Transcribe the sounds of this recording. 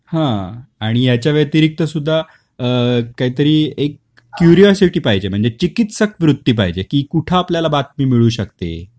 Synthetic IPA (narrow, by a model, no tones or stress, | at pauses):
hãaɽ̃ijat͡ɕjaʋjət̪iɾik̚t̪əsud̪ʱːa | əːaɦit̪əɾiːekː | juɾijɔsiʈiːpajd͡ʑem̤əɳd͡zet͡ɕikit̪səkʋɾut̪ːiːp̬a̰ɦjd͡ʑekiːkuʈʰaːpljalabat̪miːmiɭuːɕək̚t̪ḛ